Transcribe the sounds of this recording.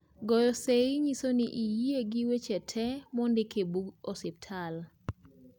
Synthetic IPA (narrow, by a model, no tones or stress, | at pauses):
ɡɔjɔseɪɲisoniʔijeɡiwet͡ʃɛtʰɛmɔndɪkʰebuɡɔsɪp̚tʰal